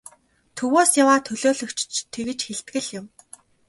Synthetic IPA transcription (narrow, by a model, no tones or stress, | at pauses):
t̪ʰɵwoːsjawaːt̪ʰɵɮoːɮɵ̆kt͡ɕt͡ɕt̪ʰeɣɘ̆t͡ɕxeɮt̪̚ɡɘ̆ɮjʊ̆m